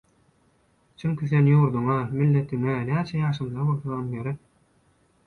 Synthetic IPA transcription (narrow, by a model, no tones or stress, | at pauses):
t͡ʃʰyŋkyθenjuːɾd̪uŋɑmilːet̪ʰiŋenæːt͡ʃʰɛjɑːʃɯmzɑbolˠθoðonɡeɾi